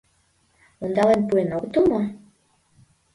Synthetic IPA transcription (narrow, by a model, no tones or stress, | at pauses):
ond̪ɑlenpuenot̪omɑ